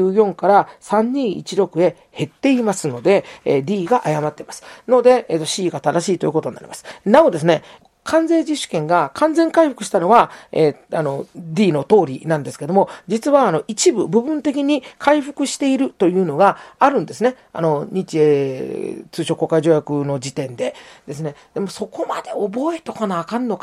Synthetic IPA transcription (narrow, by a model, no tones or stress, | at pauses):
ɯːjõ̞ŋkaɾasãɲ̟ːĩːḭt͡ɕiɾo̞kɯ̟e̞ | he̞t̪ːe̞imasɨno̞d̪e̞d̪ʲiːɡaʔajamat̪ːe̞masɨ̥no̞d̪e̞eːt̪ːo̞ɕiːɡat̪ad̪aɕiːt̪o̞ji̟kot̪oɲinːaɾʲḭmasɨ̥nao̞d̪e̞s̬ɨne̞ | kʰãnd͡ze̞ːd͡ʑiɕːɨ̥kẽ̞ŋɡakʰãnd͡zẽ̞ŋkaiɸɯ̟kɯ̟ɕi̥t̪ano̞βaḛano̞d̪ʲiːno̞t̪o̞ːɾʲḭnãnd̪e̞sɨ̥ke̞d̪o̞mo̞d͡ʑit͡sɨβaːno̞ʔit͡ɕibɯ̟bɯ̟bɯ̟̃nt̪e̞k̬ʲiɲ̟ikʰaiɸɯ̥kɯ̟ɕi̥t̪e̞iɾɯ̟t̪o̞jɯ̟ːno̞ɡaːɾɯ̟̃nd̪e̞sɨne̞ | a̰no̞ɲ̟it͡ɕie | t͡sɨːɕoko̞kaiʑo̞ːjakɯ̟no̞d͡ʑit̪ẽ̞nd̪e̞d̪e̞s̬ɨne̞d̪̥e̞mo̞so̞ko̞mad̪e̞obo̞e̞t̪okanaːkãnːo̞k